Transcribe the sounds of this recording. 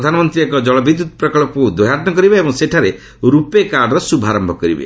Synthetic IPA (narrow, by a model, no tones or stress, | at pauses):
d̪ʱanɔmɔnt̪ɾiekɔd͡ʒɔɭɔbʱid̪ːut̪̚pɾɔkɔɭɔpud̪woɦat̪nɔkɔɾibeebɔŋseʈʰaɾe | ɾupekaɾɖɔɾɔsubʱaɾɔmbʱɔkɔɾḭbḛ